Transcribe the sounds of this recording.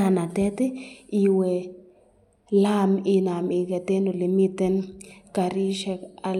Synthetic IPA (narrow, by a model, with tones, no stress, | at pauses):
a˨na˨tɛ˦t̪e˦i˨we˨ | la˦mi˨na˨mi˨ke˨t̪e˦no˨li˨mi˦t̪e˦nka˨ɾi˦ʃɛ˧ka˨